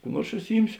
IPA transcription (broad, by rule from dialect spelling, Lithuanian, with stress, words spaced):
kuː ˈnuɔrs ʊʃʲsʲɪˈjɪmʲsʲoː